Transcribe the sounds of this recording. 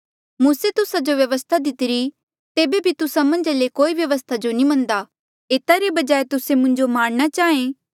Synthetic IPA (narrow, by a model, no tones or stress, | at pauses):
mũːset̪ʊsad͡ʒoʋjɐʋəst̪ʰad̪ɪt̪ɪɾi | t̪eːbebʱit̪ʊsamɐ̃nd͡ʒalekoːiʋjɐʋəst̪ʰad͡ʒonĩmɐ̃nd̪a | eːt̪aɾebɐd͡ʒaːet̪ʊsemʊ̃ɲd͡ʒomaːɽ̃ɽ̃at͡ʃaːẽː